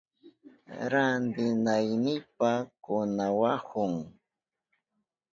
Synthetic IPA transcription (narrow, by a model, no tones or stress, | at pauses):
ɾand̪ɪnajnɪpakʊnawahʊŋ